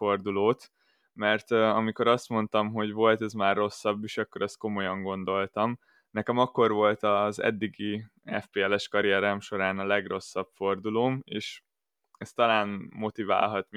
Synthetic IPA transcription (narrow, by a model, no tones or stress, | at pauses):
fo̞rd̪uloːt̪ | mɛrt̪ɒmiko̞ɾɒst̪mo̞n̪t̪ɒmɦo̞ɟʋo̞lt̪ɛzmaːrːo̞sːɒbːeːʃɒkːo̞ɾɒst̪̚ko̞mo̞jɒŋɡo̞nd̪o̞lt̪ɒm | nɛkɛmɒkːo̞rʋo̞lt̪ɒzɛ̰d̪ːiɡiɛ̰fpeːɛlɛʃkɒɾijɛɾaːmʃo̞ɾaːnɒlɛɡro̞sːɒpfo̞rd̪uloːmeːʃ | ɛst̪ɒlaːnmo̞t̪iva̰ːlɦɒt̪m